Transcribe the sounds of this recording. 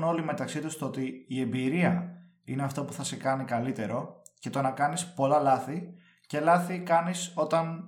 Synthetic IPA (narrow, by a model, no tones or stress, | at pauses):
no̞lime̞t̪ɐksit̪ust̪oot̪iːe̞mbiɾiɐ | ḭne̞ɐft̪o̞puθɐsekɐnikɐlit̪e̞ɾo̞ce̞t̪o̞nɐkɐnispo̞lɐlɐθi | ce̞lɐθikɐniso̞t̪ɐn